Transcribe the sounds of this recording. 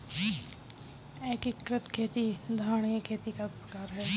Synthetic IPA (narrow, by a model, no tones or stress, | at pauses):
eːkɪkɾət̪kʰeːt̪id̪ʱaːɽ̃jəkʰeːt̪ikapɾɐkaːɾɦɛː